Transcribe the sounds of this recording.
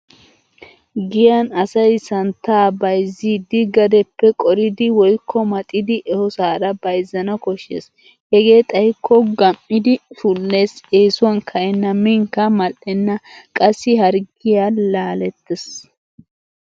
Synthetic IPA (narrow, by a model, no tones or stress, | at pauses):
ɡɪjɐnɐsɐjsɐnt̪ːaːbɐjzːiːd̪ɪɡɐd̪ɛpːɛkʼɔɾɪd̪ɪwɔjkʰːɔmɐt̪ʼɪd̪ɪʔɛhɔsaːɾɐbɐjzːɐnɐkɔʃːḛːs | hɛɡe̞ːt̪ʼɐjkʰːɔɡɐmːɪd̪ɪʃulːe̞ːseːsʊwɐnkʰɐʔɛnːɐmɪŋkːɐmɐlɛnːɐkʼɐsːɪhɐɾɡɪjaːlaːlɛt̪ːɛs